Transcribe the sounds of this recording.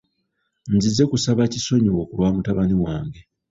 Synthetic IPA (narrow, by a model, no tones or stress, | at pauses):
nzizːe̞kusaβaciso̞ɲiwo̞kulwaːmutaβaniwaːŋɡe̞